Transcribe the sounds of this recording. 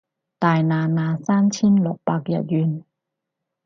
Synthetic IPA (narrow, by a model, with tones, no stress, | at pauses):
t̪aː˨˧jnaː˧naː˧saː˥˨nt͡ɕʰi˥˨nlo˨˦k̚pa˧k̚ja̰˨˩jy˧n